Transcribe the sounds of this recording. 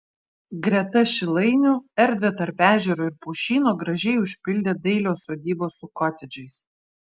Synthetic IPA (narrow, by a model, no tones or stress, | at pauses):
ɡɾʲɛt̪ɐʃʲɪlˠɐɪnʲʊɛɾʲd̪ʲʋʲet̪ɐɾpæːʒʲɛɾoːɪɾpuːʃʲiːnoːɡɾɐʒʲɛɪʊʃʲpʲɪlʲd̪ʲeːd̪ɐɪlʲoːsoːd̪ʲiːboːsʊkɔt̪ʲɛd͡ʒʲɛɪs